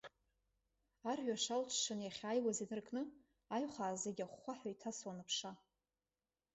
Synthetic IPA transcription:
arʕʷᶣaʂalt͡ʃʰʂɨnjaχʲajwazinɨrkʼnɨ | ajχʷaːzeɡʲaχːʷaħajitʰaswanɨpʰʂa

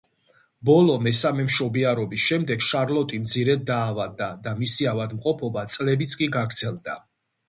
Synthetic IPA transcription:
bɔlɔmɛsamɛmʃɔbiaɾɔbisʃɛmd̪ɛɡʃaɾlɔt̪ʼimd̪zʰiɾɛd̪̚ːaːvad̪ːad̪amisiavad̪mqʼɔpʰɔbat̪sʼlɛbit̪sʰkʼiɡaɡɾd̪zɛlˠd̪a

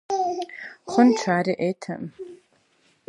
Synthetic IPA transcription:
χənʈ͡ʂʷʰaːɾiʔejtʰa̰m

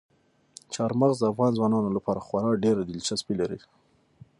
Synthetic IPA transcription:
t͡ʃɑɾmaɣzd̪əafɣɑnzwɑnɑnolapɑɾaxwɑɾɑɖeɾad̪ɪlt͡ʃaspilaɾi

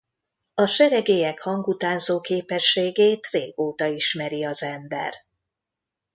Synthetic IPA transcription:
ɒʃɛɾɛɡeːjɛkhɒŋɡut̪aːnzoːkeːpɛʃːeːɡeːt̪reːɡ̥oːt̪ɒiʃmɛɾiɒzɛmbɛ̰r

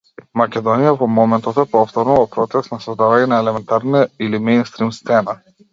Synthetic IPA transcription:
makʲɛd̪ɔnijavɔmɔmɛnt̪ɔt̪ɛpɔft̪ɔɾnɔvɔpɾɔt̪sɛsnasɔzd̪avaɲɛnaɛlɛmɛnt̪aɾnailimɛjnst̪ɾimst̪sɛna

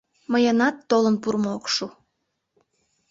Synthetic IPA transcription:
məjənɑt̪ːolənpurmookʃu

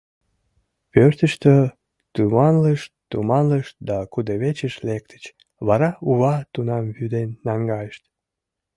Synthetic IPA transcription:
pørt̪əʃt̪ø | t̪ymɑnləʃt̪umɑnləʃd̪ɑkud̪əβet͡ɕəʃlek̚t̪ə̥t͡ɕ | βɑɾɑuβɑt̪unɑmβyd̪enːɑŋɡɑjəʃt̪

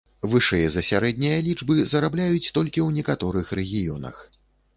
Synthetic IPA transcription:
vɨʂɨjɐzɐsʲaɾɛd̪̚ʲnʲijɐlʲid͡ʐbɨzɐɾablʲajut͡sʲt̪ɔlʲkʲiwnʲɛkat̪ɔɾɨxrɛɣʲijɔnɐ̰x

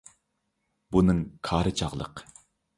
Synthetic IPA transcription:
bunɨŋkʰɑːɾɨt͡ʃʰɑʁlˠə̰q

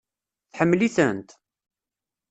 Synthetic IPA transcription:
θħəmːliθənt̪

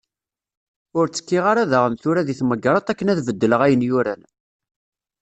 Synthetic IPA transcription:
ʊɾt͡sːə̥kːiʁaɾæðəʁəmθʊɾæðiθməɡɾˤɑt̪ˤækːənæðvəd̪ːələʁæjənjʊɾæn

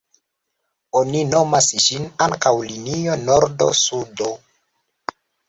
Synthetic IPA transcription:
onino̞masʒinaŋkawlinio̞noɾdo̞̰sudo

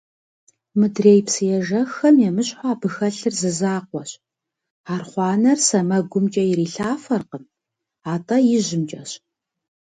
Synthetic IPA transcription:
mɨdreːjpsɨjɛʒɐxɐmjɛmɨɕʼħʷaːbɨxɐɬɨrzɨzaːqʷɔɕ | aːrχʷɑːnɐrsɐmɐɡʷʊmt͡ʃʼɐjɪɾiːɬaːfɐrqəm | aːtʼɐjɪʑɪmt͡ʃʼɐɕ

